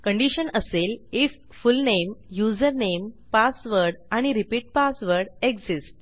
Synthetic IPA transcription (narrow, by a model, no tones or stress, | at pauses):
kəɳɖiɕənəselifːulnemjud͡zəɾnempasʋəɾɖaɽ̃iɾipiːʈ̚pasʋəɾɽeɡd͡zisʈ